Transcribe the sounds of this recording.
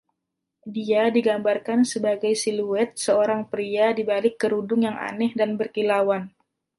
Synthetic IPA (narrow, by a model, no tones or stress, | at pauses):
diadiɡambarkansəbaɡajsiluɛt̪̚səoɾaŋpɾiadibalɪkːəɾudʊŋjaŋa̰nɛhdanbərkilawan